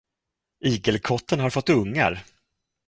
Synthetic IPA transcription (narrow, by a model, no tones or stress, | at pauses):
iːɡəlkʰɔt̪ːənhaɾfɔt̪ːɵŋːa̰ɾ